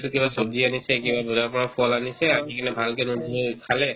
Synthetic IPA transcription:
tukibasodianisɛkibabɔzaɹpɔɹapʰɔlanisɛakikanɛbʱalkɛnudʱukʰalɛ

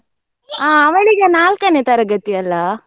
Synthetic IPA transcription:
aːɐʋɐɭiɡenaːlkɐneːt̪ɐɾɐɡɐt̪ːiɐlːɐ

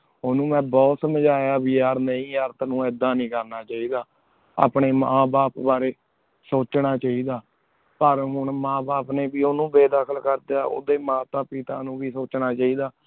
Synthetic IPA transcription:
oːnũːmɛ̃ːbɔːt̪səməd͡ʒaːjaːbiːaːɾnəĩːəɾt̪nũːd̪ːãːnĩːkəɾnaːt͡ʃaːiːd̪aː | a̰ːpɳeːmãːbaːpbaːɾeː | soːt͡ʃnaːt͡ʃaːiːd̪aː | pəɾɦʊɳmãːbaːpneːbiːoːnũːbeːd̪aːkʰəlkəɾd̪eaːo̰ːd̪eːmãːt̪aːpɪt̪aːnũːbiːsoːt͡ʃnaːt͡ʃaːiːd̪aː

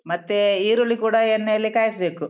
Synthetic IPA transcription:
mɐt̪ːeiːɾoɭːikuːɽɐenːeɐlːikaːjisɐbe̞ːku

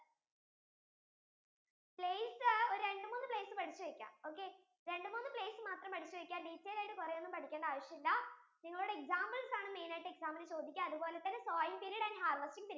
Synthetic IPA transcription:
pleːsɨoɾuɾe̞ɳɖɨmuːnːɨple̞ːsɨpɐʈʰit͡ɕːuʋɐkʲːa̰mo̞ːkːe̞ | ɾe̞ɳɖɨmuːnːɨple̞ːsɨmaːt̪rɐmpɐʈʰit͡ɕːuʋɐkʲːaːɖiːtːɐjilaːjiʈːɨkurɐjonːumpɐʈʰikʲːeːɳɖɐaːʋɐʂjɐmilːɐ | niŋːɐɭuɽeeksaːmbɐlsaːɳɨme̞jnaːjiʈːɨeksaːmɐnɨt͡ɕo̞ːd̪ʱikʲːamɐðupo̞ːle̞t̪ːɐnːesoːjiŋpiliɽaːnɦaːrʋɐstiŋt̪ilː

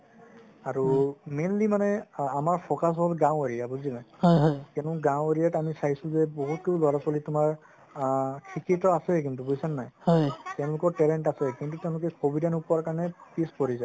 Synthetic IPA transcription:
aɹumenlimanɛamaɹpʰɔkas̬ɦɔlɡãw̃eɹijabuzinajjɦɔkɛnʊɡãw̃eɹijatamisaɦisʊ̃zɛboɦut̚kelɔɹapɔlitʊmaɹ | kʰikitɔasɛkintubojsanːajhɔjtɛʊ̃lʊkɔɹtɛlɛntasɛkintutɛʊ̃lʊkɛkobidanupɔaɹkaɹnɛpispɔɹizaj

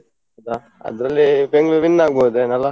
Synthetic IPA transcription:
d̪a | ɐ̰d̪ɾɐlːibeŋɡɭuʋinːaːɡ̚boːd̪enɐlːɐ

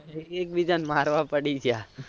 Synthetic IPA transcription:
eek̚bid͡ʒanmaɾʋãpəɽid͡ʒja

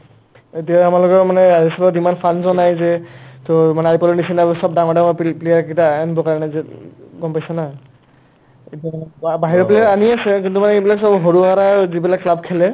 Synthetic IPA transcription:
etijaamalɔkɔɹmanɛazisɔpɔzimanpʰanzɔnajzɛtɔmanɛaɹipɔlɔnisinabɔsɔb̚daŋɔdaɔpplejaɹkitaːnibɔkaɹɔnɛzɛɡɔmpajsɛna | etiabaɦiɹɔplejaɹaniasɛkintumanɛebilaksɔbɦoɹuaɹazibilakːlab̚kʰɛlɛ

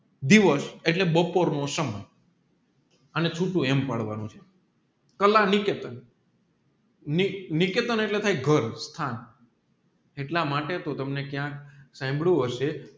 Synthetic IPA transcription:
d̪iʋəseʈlebəpoɾnosəməj | ənet͡ʃʰuʈũempaɽʋanũt͡ʃʰe̥ | kəlaniket̪ən | iniket̪əneʈlet̪ʰajɡʱəɾst̪ʰan | eʈlamaʈet̪ot̪əmnekjãksãmbɽuɦəʃe

